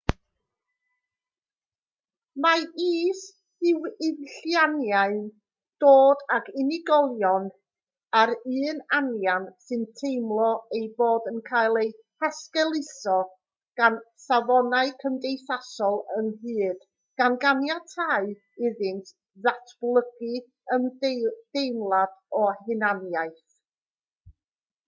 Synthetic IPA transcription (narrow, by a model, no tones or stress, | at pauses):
maiːs | hɪwɪvɬjanjaɨn | d̥oːdaɡɪnɪɡɔlˠjɔn | aɾɨːnanjansɨntʰejmlˠɔejboːdənkʰajlˠej | haskɛlˠɪsɔ | ɡ̥ansavɔnaɨkʰəmdejθasɔlˠənhɨːd̥ | ɡ̥anɡanjatʰaɨ | ɪðɨntʰ | ðatʰb̥lˠəɡ̥ɨ | əmd̥ejmlˠadɔhɪnanjaɨθ